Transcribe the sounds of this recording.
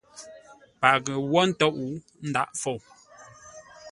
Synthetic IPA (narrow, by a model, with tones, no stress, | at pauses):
pa˨ɣə˨wɔ˦n̩˦tɔ˦ʔu˦ | n̩˦da̰˦ʔfo˨w